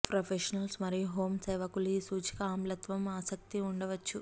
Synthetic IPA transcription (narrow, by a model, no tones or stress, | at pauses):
pɾopʰeʃɐnɐlsmɐɾijuɦoːmsɐːʋɐkuliisuːt͡ʃi̥kɐaːmlɐt̪ʋɐmaːsɐk̚t̪iuɳɖɐʋɐt͡ʃːu